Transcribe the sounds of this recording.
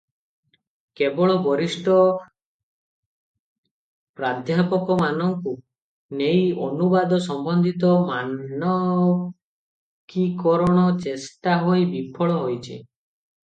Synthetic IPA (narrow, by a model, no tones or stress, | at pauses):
kebɔɭɔbɔɾisʈɔ | pɾad̪ʱjapɔkɔmanɔŋku | nejonubad̪ɔsɔmbɔnd̪ʱit̪ɔmaɔ | kikɔɾɔɽ̃ɔt͡ʃesʈaɦojbipʰɔɭɔɦojt͡ʃʰḭ